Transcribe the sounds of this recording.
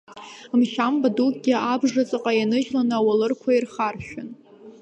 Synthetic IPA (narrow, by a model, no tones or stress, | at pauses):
mʃambadukʼɡʲiabʐat͡sʼɨqʼajanɨʒlanawalɨrkʷʰairχarʃᶣʊn